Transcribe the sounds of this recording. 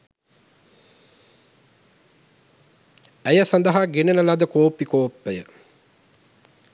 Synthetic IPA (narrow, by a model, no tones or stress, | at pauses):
æjəsand̪əɦaɡenənəlad̪əkoːpːikoːpːəjə